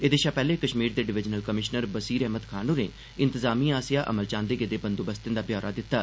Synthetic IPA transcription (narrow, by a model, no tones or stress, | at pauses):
eːd̪eːʃaːpɛːleːkəʃmiːɾd̪eːɖɪʋɪd͡ʒnəlkəmɪʃnəɾbəsiːɾɛːɦməd̪kʰaːnũːnḛː | ɪ̃nt̪əzaːmiːaːsɪjaːʔə̰məlt͡ʃãːnd̪eːɡeːd̪eːbənd̪oːbəst̪ɪ̃nd̪aːbjɔːɾaːd̪ɪt̪ːaː